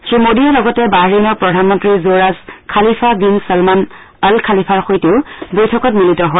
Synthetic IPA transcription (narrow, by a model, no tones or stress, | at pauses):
xemodijɔlɔɡɔtɛbaɦɹinɔɹpɹɔdʱanmɔntɹizoɹazkʰalipʰabinsalman | alkʰalipʰaɹxojteʊbojtʰɔkɔt̚militɔɦɔj